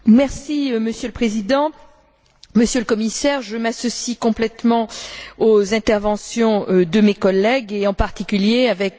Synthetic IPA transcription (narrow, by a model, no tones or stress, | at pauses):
mɛʁsiməsjøləpχezid̪ɑ̃ | məsjøləkɔmisɛʁʒəmasɔsikɔ̃plɛt̪mɑ̃ozɛ̃t̪ɛʁvɑ̃sjɔ̃ød̪əmekɔlːɛɡeɑ̃paʁt̪ikʲyljeavɛk